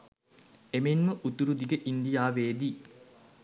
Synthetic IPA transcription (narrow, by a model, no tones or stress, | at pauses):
emenməʔut̪uɾud̪iɡəʔind̪ijaːʋeːd̪i